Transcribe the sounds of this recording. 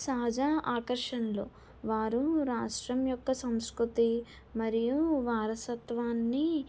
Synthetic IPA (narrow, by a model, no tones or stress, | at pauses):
saːd͡ʒaːʔaːkɐɾʂɐnlo̞̰ː | ʋaːɾuɾaːʂʈɾɐmjɔkːɐsɐmskɾut̪i | mɐɾijuʋaːɾɐsɐt̪ʋaːnːi